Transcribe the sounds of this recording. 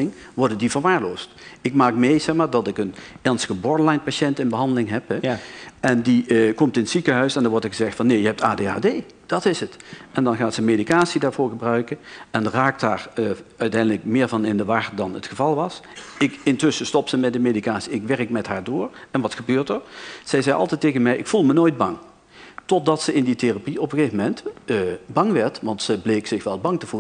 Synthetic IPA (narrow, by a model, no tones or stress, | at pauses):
ɪŋʋɔɹdədivəɹʋaːɹloːstɪkmaːkmejzɛxmaːɹdɑtɪkənɛɹnstəɣəbɔɹdlajnpaʃɛntɪnbəɦɑndəlɪŋɦɛpɦɛʔɛndikɔmtɪntsikəɦœɥsɛndɑnʋɔɹtəɹɣəzɛxtfɑnːejəɦɛp̚taːdeːa̰ːdeː | d̥ɑtɪsətʔɛndɑnɣaːtsəmedikaːtsidaːɹvʊːɹɣəbrœɥkənɛnraːk̚taːɹəœɥtɛjndələkmɪːɹvɑnɪndəʋaːɹtdɑnətxəvɑlˠʋɑs | ɪkɪntɵsəstɔpsəmɛt̚dəmedikaːtsiɪkʋɛrəkmɛtɦaːɹdʊːɹɛnʋɑtxəbøːɹtəɹz̥ɛjzɛjʔɑ̰lˠtɛjtːejɣənmɛjʔɪ̰kfulˠmənojd̚bɑŋ | tɔtdɑtsəɪnditerapiɔpəɣeːvəmɛntː | bɑŋʋɛɹtʋɑntsəblejksɪxʋɛlˠbɑŋtəv̥u